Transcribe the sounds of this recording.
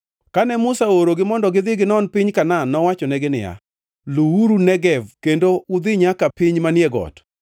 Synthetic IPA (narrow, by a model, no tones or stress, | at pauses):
kanɛmʊsaoɾoɡɪmɔndɔɡɪd̪ɪɡɪnɔnpɪɲkananɔwat͡ʃɔnɛɡɪnɪ̰ja̰ | luwuɾunɛɡɛvkendoʊd̪ɪɲakapɪɲmanɪjɛɡɔ̰t